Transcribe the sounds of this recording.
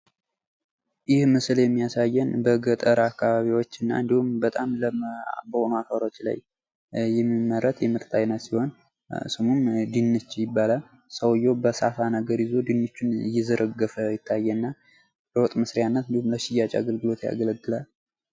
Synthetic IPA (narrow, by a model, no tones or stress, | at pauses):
jɪhmɨsljɛmːijasajːɛnbəɡət̪ʼəɾakʰːaβaβiwo̞t͡ʃːɨnːa̰ɨnd̪ihumbət̪ʼamləbəho̞noafəɾo̞t͡ʃːla̰j | jɛmːimːəɾət̪jɛmɨɾt̪ʼʰajnət̪siho̞n̰ | sɨmumd̪inːɨt͡ʃːjɪbːalal | səwjo̞bəsafanəɡəɾɪzo̞d̪inːɨt͡ʃːunjɛzəɾʔəɡːəfəjɪt̪ʰːajːɛnːa | bəwɔt̪ʼmɨsɾjanːət̪ɨnd̪ihumləʃɪjːat͡ʃʼa̰aɡəlɡɨlo̞t̪ja̰ɡələɡːɨlal